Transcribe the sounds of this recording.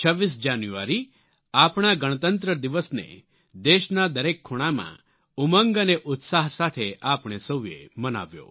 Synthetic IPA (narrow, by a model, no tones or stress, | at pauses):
t͡ʃʰəʋːis̬d͡ʒanjua̰ɾi | apɽ̃aɡəɽ̃ət̪ənt̪ɾəd̪iʋəsnḛ | d̪eʃnad̪əɾekʰːoɽ̃amã̰ | uməŋɡəneʔʊt̪saɦsat̪ʰeʔapɽ̃esəwjḛməna̰ʋjo̰